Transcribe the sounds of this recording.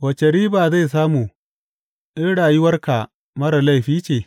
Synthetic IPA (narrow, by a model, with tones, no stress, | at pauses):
wɐ˨t͡ʃɐ˨ɽiː˦baː˨za˦˨js̬aː˦muː˨ | ʔɪ˦nɽaː˨ji˦wɐ˦rka˨ | mɐ˦ɽɐ˨la˦˨jɸiː˦t͡ʃeː˨